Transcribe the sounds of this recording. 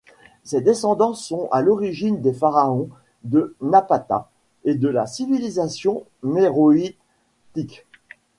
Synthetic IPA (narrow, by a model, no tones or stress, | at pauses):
sed̪esɑ̃d̪ɑ̃sɔ̃a̰lɔʁiʒind̪efaʁaɔ̃ | d̪ənapat̪a̰ | ed̪əlasivilizasjɔ̃ | neʁoi | t̪ik